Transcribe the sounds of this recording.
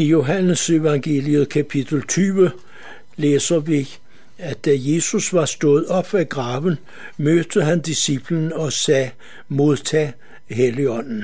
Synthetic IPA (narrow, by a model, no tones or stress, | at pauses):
ijo̝ɦænəse̝ʋɑ̈ŋɡ̥e̝̰ːliəð̩ˠkʰæpʰid̥l̩t͡sʰyːʋə | leːsɐʋi | æd̥ːæje̝ːsusʋɑ̈sd̥ɔ̽ːð̞̩ˠɒ̽b̥æɡ̥ʁɑ̈ːʋən̩ | møːd̥əɦænd̥isib̥lənɒ̽sɛː | mo̝ðˠt͡sʰɛː | heliɒ̽n̰n̩